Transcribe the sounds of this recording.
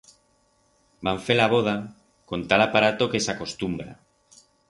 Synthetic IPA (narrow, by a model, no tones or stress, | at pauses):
baɱfelaβ̞oð̞a | kont̪alapaɾat̪okesakost̪umbɾa̰